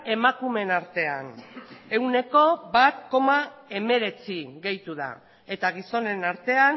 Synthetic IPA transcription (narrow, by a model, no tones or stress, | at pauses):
e̞makume̞naɾt̪e̞ane̞wne̞ko̞bat̪ko̞mae̞me̞ɾe̞t͡siɣe̞jt̪uð̞a̰ | e̞t̪aɣ̞iso̞ne̞naɾt̪e̞an